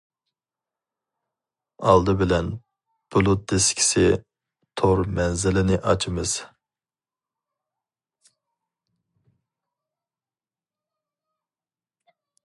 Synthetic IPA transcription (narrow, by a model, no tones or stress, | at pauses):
ɑlˠd̪ɨbɪlɛn | b̥ulˠut̪̚d̪ɪskʲʰi̥sɪ | t̪ʰoɾmɛnzɪlɪnɪʔɑt͡ʃʰɨmɨz̥